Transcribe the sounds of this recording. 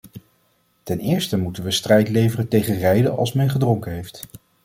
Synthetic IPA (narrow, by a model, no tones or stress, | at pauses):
tɛnɪːɹstəmutənʋəstrɛjtlejvərəntejχənrɛjdəʔɑ̰lˠsmɛnχədrɔŋkəɦejft